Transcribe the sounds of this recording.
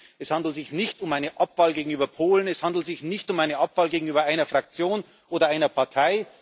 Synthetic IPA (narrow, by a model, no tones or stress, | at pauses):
ʔɛshandl̩tz̥ɪçnɪçtʊmʔaɪnəʔapv̥aːlɡeːɡŋ̩yːbɐpʰoːlənɛshandl̩tz̥ɪçnɪçtʊmaɪnəʔapv̥aːlɡeːɡŋ̩yːbɐʔaɪnɐfʁak̚t͡sjoːn | ʔoːdɐaɪnɐpʰaɐtʰaɪ